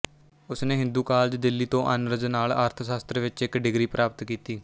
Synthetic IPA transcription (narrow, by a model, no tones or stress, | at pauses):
ʊsneːɦɪ̃nd̪uːkaːld͡ʒd̪ɪlːiːt̪õːʔənɾəznaːla̰ːɾt̪ʰsaːst̪ɾeʋɪt͡ʃɪkɖɪɡɾiːpɾʔaːpət̪kiːt̪iː